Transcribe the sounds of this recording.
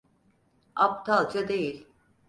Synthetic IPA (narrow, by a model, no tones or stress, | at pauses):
ap̚t̪ʰalˠd͡ʒad̪ejilʲ